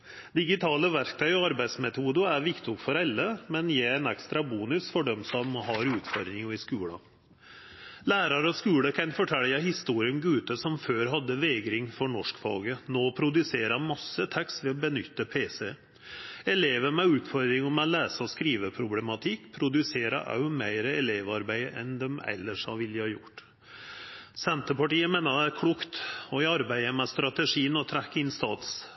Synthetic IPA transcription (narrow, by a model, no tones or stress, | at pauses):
d̪ɪɡɪt̪ʰɑːləʋæɾk̚t̪ʰœʏɔɑɾbæɪd̪smɛt̪ʰuːd̪əæɾʋɪkt̪ɪɔkfɔɾɛlːəmɛnjeæɪnɛkst̪ɾɑbuːnʉsfɔɖɛmsɔmɦɑɾʉːt̪fɔɾd̪ɾɪŋəɪskʉːɽə̰ | læːɾɑɾəɔskʉːɽəkʰɑnfɔʈʰɛlːəhɪst̪uːɾɪənɡʉːt̪əsɔmføːɾɦɑd̪ːəʋeːɡɾɪŋfɔɳɔʂkfɑ̰lɡənoːpʰɾʊd̪ʉseːɾɑmɑsːət̪ʰɛkst̪ʋɛɔbənʏt̪ːəpʰeːsɛ | ɛleːʋəmɛʉːt̪fɔɾd̪ɾɪŋɔmɛlæːsəɔskɾiːʋəpʰɾʊblɛmɑt̪ʰɪkːpʰɾʊd̪ʉseːɾə̰ʔɑ̰ʉmæɪɾəɛleːʋɑɾbæɪʔɛnd̪ɛmɛ̰lːəʂhɑ̰ʋɪlːjəhɑːjʊ̰ʈː | sɛnt̪əpɑʈiːəmeːnəd̪ɛæɾkʰɽuːkt̪ɔɪɑɾbæɪəmɛst̪ɾɑt̪əʂiːənɔt̪ʰɾækːəɪnst̪ɑ̰ːt̪s